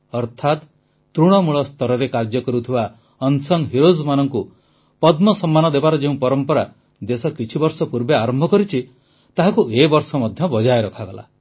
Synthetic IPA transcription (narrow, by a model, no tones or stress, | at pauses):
ɔɾt̪ʰat̪ | t̪ɾuɽ̃ɔmuɭɔst̪ɔɾɔɾekaɾd͡ʒɔkɔɾut̪ʰiba | ɔnsɔŋɦiɾozmanɔŋku | pɔd̪mɔsɔmːanɔd̪ebaɾɔd͡ʒeũpɔɾɔmpɔɾa | d̪esɔkit͡ʃʰibɔɾsɔpuɾbeaɾɔmbʱɔkɔɾit͡ʃʰi | t̪aɦakuʔebɔɾsɔmɔd̪ʱjɔbɔd͡ʒaeɾɔkʰaɡɔla̰